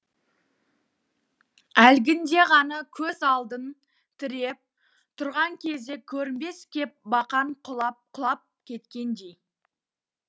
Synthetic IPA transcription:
ælɡʲɪnd̪e̞ʁɑnɑkʲʰɵzɑlˠd̪ən | t̪ʰɪɾe̞p̚ | t̪ʰʊɾʁɑŋkʲʰe̞zd̪e̞kʲʰɵɾɪnbe̞skʲʰe̞p̚bɑqɑɴqʰʊlˠɑpqʰʊlˠɑp̚kʲʰe̞t̪kʲe̞nd̪e̞j

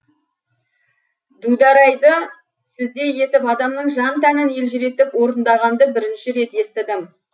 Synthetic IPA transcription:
d̪ud̪ɑɾɑjd̪ə | sɪzd̪e̞je̞t̪ɪpɑd̪ɑmnəɴʒɑnt̪ʰænɪne̞lʒɪɾe̞t̪ɪpwo̞ɾənd̪ɑʁɑnd̪əbɪɾɪnʃɪɾe̞t̪e̞st̪ɪd̪ɪm

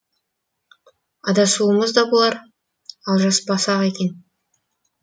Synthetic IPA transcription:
ɑd̪ɑsuəməzd̪ɑbolˠɑɾ | ɑlˠʒɑsbɑsɑʁekʲe̞n

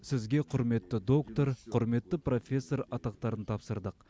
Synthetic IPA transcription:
sɪzɡʲe̞qʰʊɾme̞t̪ːɪd̪o̞kt̪o̞ɾqʰʊɾme̞t̪ːɪpro̞fʲe̞sːoɾɑt̪ɑq̚t̪ɑɾənt̪ʰɑpsəɾd̪əq̚

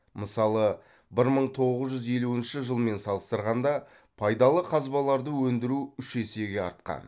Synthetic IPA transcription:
məsɑlˠə | bɪɾməɴt̪ʰo̞ʁəzʒʏze̞luɪnʃɪʒəlˠme̞nsɑlˠəst̪əɾʁɑnd̪ɑ | pʰɑjd̪ɑlˠəqʰɑzbɑlˠɑɾd̪əwɵnd̪ɪɾuʏʃe̞se̞ɡʲe̞ɑ̰ɾt̪̚qɑ̰n

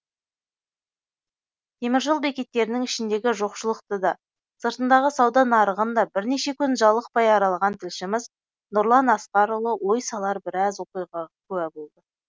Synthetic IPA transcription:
t̪ʰe̞mɪɾʒəlˠbe̞kʲe̞t̪ːe̞ɾɪnɪŋɪʃɪnd̪e̞ɡʲɪʒo̞qʃəlˠəqt̪əd̪ɑ | səɾt̪ənd̪ɑʁəsɑwd̪ɑnɑɾəʁənd̪ɑbɪɾne̞ʃe̞kʲʰʏnʒɑlˠəq̚pɑjɑɾɑlˠʁɑnt̪ʰɪlʃɪmɪz | nʊɾlˠɑnɑsqɑɾʊlˠəwo̞jsɑlˠɑɾbɪɾɑzwo̞qijʁɑkʰʉæbo̞lˠd̪ə

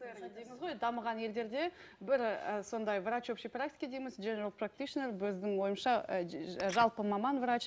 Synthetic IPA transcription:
d̪ejmɪzʁo̞jd̪ɑməʁɑnje̞ld̪e̞ɾd̪e̞bɪɾəso̞nd̪ɑjvrat͡ʃopʃipɾakt̪ʲi̥kʲed̪ejmɪzʒeneɾolˠprak̚t̪iʃnerbɵzd̪ɪŋwo̞jəmʃɑ | ʒɑlˠpəmɑmɑnvɾat͡ʃ

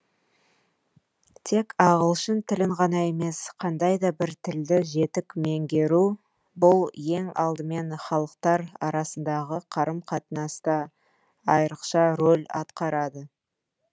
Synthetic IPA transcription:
t̪ʰe̞kɑʁəlˠʃənt̪ʰɪlɪŋʁɑnɑe̞me̞sqʰɑnd̪ɑjd̪ɑbɪɾt̪ʰɪld̪ɪʒe̞t̪ɪkmeŋɡʲe̞ɾu | bʊlˠje̞ŋɑlˠd̪əme̞nχɑlˠəqt̪ɑɾɑɾɑsənd̪ɑʁəqʰɑɾəmqʰɑt̪ənɑst̪ɑ | ɑjɾəqʃɑɾolʲɑ̰t̪qɑɾɑd̪ə

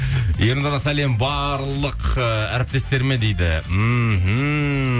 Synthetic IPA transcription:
jeɾnoɾɑsæle̞mbɑɾlˠəqəæɾɪp̚t̪e̞st̪e̞ɾme̞d̪ejd̪ɪ̰ɦ̩

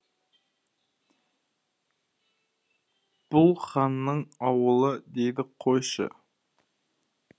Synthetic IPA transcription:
b̥ʊlˠχɑnːəɴɑwəlˠəd̪e̞jd̪ɪqʰojʃə̰

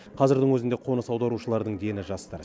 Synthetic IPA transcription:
qʰɑzɪɾd̪əŋwɵzɪnd̪eqʰo̞nəsɑwd̪ɑɾuʃəlˠɑɾd̪əɴd̪e̞nɪʒɑst̪ɑɾ

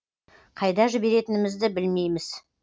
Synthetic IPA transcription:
qʰɑjd̪ɑʒɪbe̞ɾe̞t̪ɪnɪmɪzd̪ɪbɪlme̞jmɪz̥

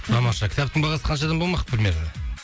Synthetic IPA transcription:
t̪ʰɑmɑʃɑkʲʰɪ̥t̪apt̪ɪŋbɑlʁɑsəqʰɑnʃɑd̪ɑnbomɑqpʰɾʲɪmʲjeɾad̪e

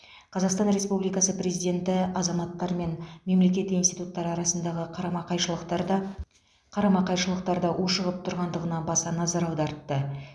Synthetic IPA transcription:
qʰɑzɑqst̪ɑnɾe̞spublijkɑsəpɾe̞zijd̪ʲe̞nt̪ɪɑzɑmɑt̪ːɑɾme̞nme̞mle̞kʲe̞t̪insijt̪ut̪ːɑɾɑɾɑsənd̪ɑʁəɑjʃlˠəq | qʰɑɾɑmɑqɑjʃəlˠəq̚t̪ɑɾd̪ɑʔoʃəʁəp̚t̪ʰʊɾʁɑnd̪əʁənɑnbɑsɑnɑzɑɾɑwd̪ɑɾt̪ːə

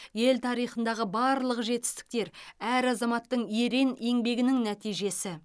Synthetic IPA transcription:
je̞lt̪ʰɑɾijχənd̪ɑʁəbɑɾlˠəqʒe̞t̪ɪ̥st̪ɪ̥k̚t̪e̞ɾæɾɑzɑmɑt̪ːəɴje̞ɾe̞ne̞ŋbe̞ɡʲɪnɪŋnæt̪ijʒe̞sɪ

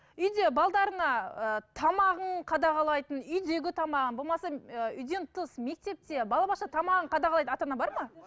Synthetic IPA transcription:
ʏjd̪e̞bɑlˠd̪ɑɾəɴɑət̪ʰɑmɑʁəɴqʰɑd̪ɑʁɑlˠɑjt̪ənʏjd̪e̞ɡʲɪt̪ʰɑmɑʁənbolˠmɑsɑəʏjd̪e̞nt̪ʰəsme̞k̚t̪e̞p̚t̪e̞bɑlˠɑbɑʃɑt̪ʰɑmɑʁəɴqʰɑd̪ɑʁɑlˠɑj̪ənɑt̪ɑnɑbɑɾmɑ

